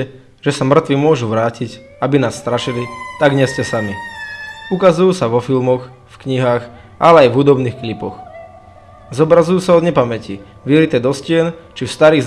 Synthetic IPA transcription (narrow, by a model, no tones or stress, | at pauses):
ɛ | ʒɛsamr̩t̪ʋimʊɔʒuʋɾaːcic | abinaːsːt̪ɾaʃilit̪aɡɲɛscɛsami | ukazujuːsaʋɔfilmɔx | fkɲiɦaːx | ʔa̰lɛajvɦud̪ɔbniːxklipɔ̰x | zɔbɾazujuːsaɔd̪ɲɛpamɛci | ʋilit̪ɛd̪ɔscɪɛnt͡ʃifst̪aɾiːɣz